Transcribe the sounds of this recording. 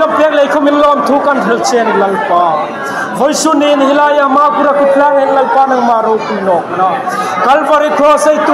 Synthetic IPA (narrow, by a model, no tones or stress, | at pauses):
ɐbpeklejkʰomilːoɐmt̪ʰukɐnʈʰelt͡ʃʰenlɐlpa | hʰojsuninɦilajamakuɾakuʈʰlaɾenlɐlpanɐkmaɾokiloknakɐlpəɾik̪ʰosɐjt̪